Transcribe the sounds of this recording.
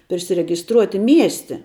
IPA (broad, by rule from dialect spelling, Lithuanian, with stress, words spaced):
pʲrʲɪsʲɪrʲɛɡʲɪsˈtruɔtʲɪ ˈmʲiɛsʲtʲɪ